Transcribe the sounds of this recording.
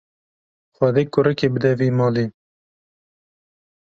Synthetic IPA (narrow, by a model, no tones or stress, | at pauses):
xad̪eːkʊɾɨkebɨd̪ɛviːmɑːli